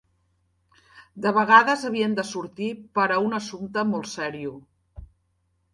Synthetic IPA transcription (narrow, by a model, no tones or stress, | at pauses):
d̪əβəɣ̞aðəzəβ̞iənd̪əsuɾt̪ipəɾəunəsumt̪əmɔlˠtsɛɾiu